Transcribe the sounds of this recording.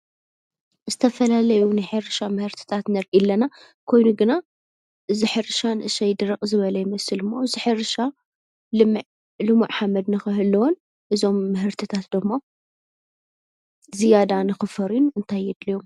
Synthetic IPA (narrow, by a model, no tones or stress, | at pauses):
zɨt̪ʰɐfɐlalɐjunɨħɨɾɨʃamɨhɨɾt̪ʰɨ̥t̪ʰat̪nɐɾʔilːɐna | kʰo̞jnuɡɨna | ʔɨziħɨɾɨʃanɨʔɨʃɐjd̪ɨɾɐqʼzɨβɐlɐjɪmɐsɨlɨmːoɨziħɨɾɨʃa | lɨm | lɨmuʕħamɐd̪nɨxɨɦɨlːɐwon | ʔɨzo̞mːɨɦɨɾt̪ʰɨt̪ʰat̪d̪ɨmːo | zijad̪anɨxɨfɐɾinuʔɨnt̪ʰajːɛd̪lijom